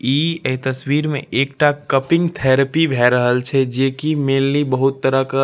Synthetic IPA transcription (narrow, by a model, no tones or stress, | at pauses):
iːet̪əswiːɾmḛ̃ʔeːkʈakəpɪ̃ŋɡt̪ʰɛːɾəpibʱɛːɾəɦəlt͡ʃʰɛd͡ʒeːkimeːlnibəɦʊt̪ːəɾəka